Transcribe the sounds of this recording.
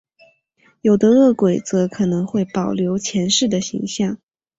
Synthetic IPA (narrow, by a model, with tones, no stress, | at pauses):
jo˨˩ʊd̪ə˦ɤ˥˩kwe˨˩ɪt͡sɤ˧˥kʰɤ˨˩nɤ˧˥ŋxwe˥˩ɪpɑ˨˩ʊljo˧˥ʊt͡ɕʰjɛ˧˥nʂɻ̩˥˩d̪ə˩ɕḭ˧˥ŋɕjɑ˥˩ŋ